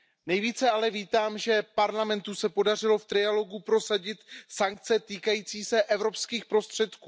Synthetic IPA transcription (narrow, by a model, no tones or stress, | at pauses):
nɛjviːt͡sɛalɛviːt̪aːmʒɛpaɾlamɛnt̪usɛpo̞dar̝ɪlo̞ft̪ɾɪalo̞ɡupɾo̞saɟɪt̪saŋk̚t͡sɛt̪iːkajiːt͡siːsɛʔɛvɾo̞pskiːxpɾo̞st̪r̝̥ɛt̪kuː